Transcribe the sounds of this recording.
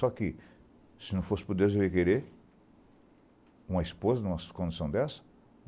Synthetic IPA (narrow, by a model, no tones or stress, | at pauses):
sɔkɪ | sɪnɐ̃w̃fosɪ̥poɾd̪ewzwviɐkeɾeɾ | ũmɐispozɐnũmɐskõnd͡ʒ̪isɐ̃w̃d̪ɛsɐ̥